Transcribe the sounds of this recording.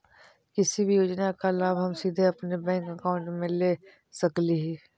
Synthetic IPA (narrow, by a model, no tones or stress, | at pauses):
kɪsibʱijoːd͡ʒnakalaːbɦəmsiːd̪ʱeɐpnebɛ̃ːŋkəkaːʊ̃ɳʈmẽleː | səkliɦiː